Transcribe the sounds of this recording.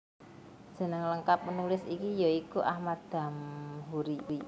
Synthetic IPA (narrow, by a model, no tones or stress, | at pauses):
d̥ʒ̥ə̤nəŋləŋkap̚mənulɪsikijoikuʔahmad̪̥a̤mɦuɾii